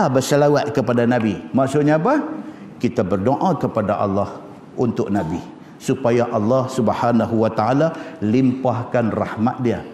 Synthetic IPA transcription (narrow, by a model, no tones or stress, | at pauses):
abərsəlawat̪̚kəpadanãbimaʔsʊʔɲaːpa | kit̪abərdoʔãkəpadaʔɑ̰lːɑh | unt̪ʊk̚nabi | supajaʔɑlːɑhsubhanaɦuwat̪aalalimpahkanrahma̰t̪̚dia